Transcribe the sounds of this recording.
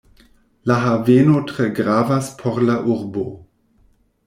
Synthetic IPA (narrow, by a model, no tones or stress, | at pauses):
laɦaveːnotʁ̥ɛɡʁaːvaspʰɔʁlaʔuʁbo̰